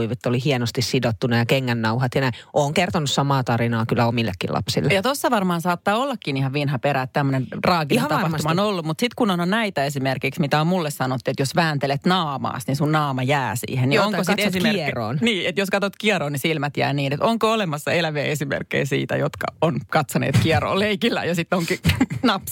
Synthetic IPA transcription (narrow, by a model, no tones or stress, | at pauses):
iʋet̪ːolihienost̪issidot̪ːunɑjɑkeŋːænːɑuhɑt̪jɑnæiʔoːŋkert̪onussɑmɑːt̪ɑrinɑːkylːˑæomilːḛkːḭlʔɑ̰psḭlːejjɑt̪osːɑʋɑrmɑːnsɑːt̪ːɑːolːɑkːinihɑʋʋinhɑpeɾæːt̪t̪æmːønenrɑːkihɑt̪ɑpɑht̪uumɑonolːummut̪sit̪kunononnæit̪æesimerkiksmit̪æommulːessɑnot̪ːiet̪josʋæːnt̪elet̪nɑːmɑ̰ːsnisunnɑːmɑjæːsḭːhenniooŋkosit̪ːesimero̰ːnniːet̪joskɑt̪ot̪kiɑɾoːnisilmæt̪jæ̰ːniːnet̪oŋkoolemɑsːɑelæʋeːesimḛrkːḛisḭːt̪æ̰jot̪kɑ̰onkɑt̪sonḛːt̪kiɑro̰ːleikilːæ̰jɑsit̪ːoŋkinɑp